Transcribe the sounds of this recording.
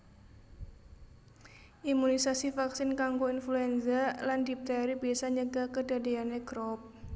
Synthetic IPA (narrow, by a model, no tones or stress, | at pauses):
ʔimunisasifaksɪnkaŋɡoinfluɛnzalandip̚t̪aɾibiasaɲəɡakədadeaneɡɾɔp̚